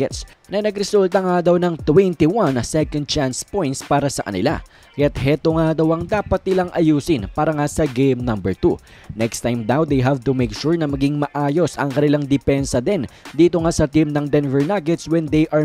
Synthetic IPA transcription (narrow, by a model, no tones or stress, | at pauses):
ɛt̪s | nɐnɐɡɾɛsult̪ɐŋad̪ɐwnɐŋt̪wɛnt̪iwɐnsɛkɐ̃nd̪̚t͡ʃanspõ̞jnt̪spaːɾɐsɐkɐ̰nɪ̰la̰ | kɐjat̪̚hɛt̪oŋad̪ɐwɐŋd̪aːpɐt̪̚nɪlaŋʔɐjuːsɪnpaːɾɐŋasɐɡejmnɐmbɛɹt̪u | nɛkst̪ajmd̪awd̪ejɦavt̪umɛkʃuɹnɐmɐɡiŋmɐʔaːjo̞sɐ̰ŋkɐnɪlaŋd̪ɪpɛnsɐd̪ɛnd̪iːt̪o̞ŋasɐt̪imnɐŋd̪ɛnvɛɹnaɡɛt̪swɛnd̪ejʔɐ